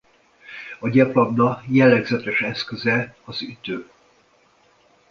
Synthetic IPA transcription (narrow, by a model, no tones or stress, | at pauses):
ɒɟɛpɒbnɒjɛlːɛɡzɛt̪ɛʃɛskøzɛɒzyt̪øː